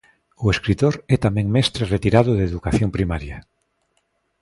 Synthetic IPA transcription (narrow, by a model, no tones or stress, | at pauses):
oeskɾit̪oɾɛt̪amẽŋmɛst̪ɾeret̪iɾaðoðeðukaθjompɾimaɾja